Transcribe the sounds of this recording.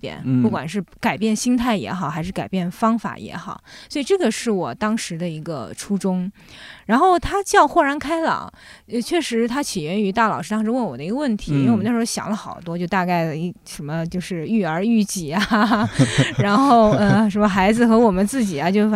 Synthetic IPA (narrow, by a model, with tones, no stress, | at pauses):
t̪jɛ̰˨˩˦npu˥˩kwa̰˨˩nʂɻ̩˥˧ka˨˩ɪpjɛ˥˩nɕi˥ŋt̪ʰa˥˩ɪjɛ̰˧˥xɑ˨˩ʊxa˧ɪʂɻ̩˥˩ka˨˩ɪpjɛ˥˩nfɑ˥ŋfa̰˨˩jɛ̰˧˥xɑ˨˩˦ʊswɔ˧˥i˨˩ʈ͡ʂɤ˥˩ɡə˩ʂɻ̩˥˩wɔ˨˩t̪ɑ˥ŋʂɻ̩˧˥d̪ə˧i˧˥ɡə˧ʈ͡ʂʰu˥ʈ͡ʂʊ˥ŋ | ɻa˧˥nxo˥˩ʊt̪ʰa˥t͡ɕjɑ˥˧ʊxwɔ˥˩ɻa˧˥nkʰa˥ɪlɑ̰˨˩˦ | ə˧t͡ɕʰɥɛ˥˩ʂɻ̩˧˥t̪ʰa˥t͡ɕʰi˨˩jɛ˧˥ny˧˥t̪a˥˩lɑ˨˩ʊʂɻ̩˥t̪ɑ˥ŋʂɻ̩˧˥wə˥˩nwɔ˨˩d̪ə˦i˧ɡə˧wə˥˩nt̪ʰi˧˥˧ɕjɑ̰˨˩ŋlə˦˧xɑ˨˩ʊt̪wɔ˥t͡ɕjo˥˧ʊt̪a˥˧ka˥˩ɪ˩ʂə˧˥nmə˧t͡ɕjo˥˧ʊʂɻ̩˥˧y˥˩ə˞˧˥y˥˧t͡ɕi˨˩a˦˧˩ | a˧˥nxo˥˩ʊə˧ʂə˧˥mə˧xa˧˥ɪd͡zɹ̩˧xɤ˧˥wɔ˨˩mə˦nt͡sɹ̩˥˩t͡ɕi˨˩ɐ˦t͡ɕjo˥˩ʊ